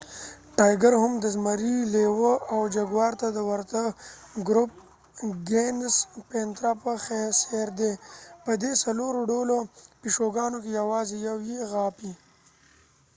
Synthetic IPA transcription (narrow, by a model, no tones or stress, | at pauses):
ʈaːjɡaɾhʊmd̪əzmaɾilewəʔawd͡ʒaɡwɑːɾt̪ad̪əwaɾt̪aɡɾʊp̚ | ɡenspent̪ɾapəxeseɾd̪epəd̪esaloɾoɖolopiʂoɡɑːnokejawɑːzejawjeɣɑːpi